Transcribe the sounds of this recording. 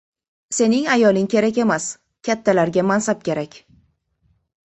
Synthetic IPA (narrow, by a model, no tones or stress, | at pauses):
se̞nɪŋajɒlɪŋkʲʰe̞ɾakʲe̞mas | kʲʰat̪ʰːalaɾɡʲamansap̚kʲʰe̞ɾakʲ